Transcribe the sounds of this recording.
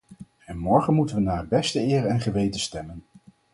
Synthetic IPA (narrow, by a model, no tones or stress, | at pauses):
ɛnmɔɹχənmutənʋənaːəbɛstəɪːrɛnχəʋejtəstɛmən